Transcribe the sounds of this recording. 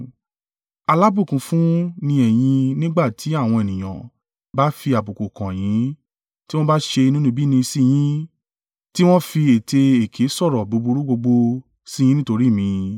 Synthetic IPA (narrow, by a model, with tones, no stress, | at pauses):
a˧la˨˦bu˦˨kũ˨fũ˦nĩ˧ɛ˨j̃ĩ˧nĩ˦ɡ͡ba˦˨tʰi˨˦a˦˨w̃ɔ̃˧e˨nĩ˨j̃ã̰˨ | ba˨˦fi˧a˨bu˨ko˨kã˨j̃ĩ˨˦ | ti˦w̃ɔ̃˦ba˦ʃe˧i˧nũ˦nũ˦bi˦nĩ˧si˦˨j̃ĩ˦ | ti˦w̃ɔ̃˦fi˧e˨te˧e˨kʰe˨˦sɔ˦˨ɾɔ˨bo˨˧bu˧ɾu˦ɡ͡bo˧ɡ͡bo˧ | si˦j̃ĩ˦nĩ˦to˧ɾi˦˨mĩ˨˧